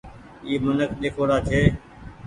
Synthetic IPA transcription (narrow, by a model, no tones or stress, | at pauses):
iːmʊnəkɗ̪eːkʰoːɾaːt͡ʃʰeː